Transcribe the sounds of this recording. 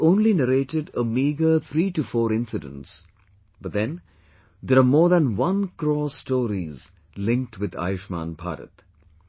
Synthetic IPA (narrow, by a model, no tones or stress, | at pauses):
õːnlinəɾeːʈɪɖəmiːɡət̪ʰɾiːʈufɔːɾɪ̃nsɪdə̰̃nʈs | b̥ʌt̚d̪ɛ̃n | d̪əɾamɔːɾðæ̃nwʌ̃nkɾɔːsʈɔːɾiz | lɪ̃ŋk̚ʈʰwɪd̪a̰ːjʃmã̰ːnbʱa̰ːɾə̰t̪